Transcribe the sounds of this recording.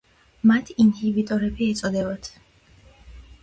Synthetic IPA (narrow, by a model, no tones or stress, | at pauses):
mat̪ʰinhivit̪ʼɔɾɛbiɛt̪sʼɔd̪ɛbat̪ʰ